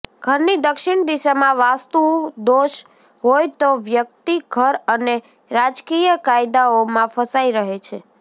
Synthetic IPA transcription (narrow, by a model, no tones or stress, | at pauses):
ɡ̥ʱəɾnid̪əkʃɪɳd̪iʃamãʋast̪ud̪oʃ | ɦojt̪oʋjək̚t̪iɡʱəɾəne | ɾad͡ʒkijəkajd̪aomãfəsaiɾəɦet͡ʃʰe